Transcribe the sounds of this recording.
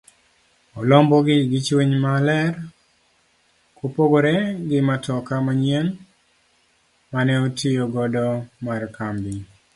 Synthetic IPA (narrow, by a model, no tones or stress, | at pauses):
ɔlɔmbɔɡɪɡɪt͡ʃweɲmalɛr | kopoɡoɾeɡɪmatɔkamaɲjen | manɛotioɡɔdɔmarkambi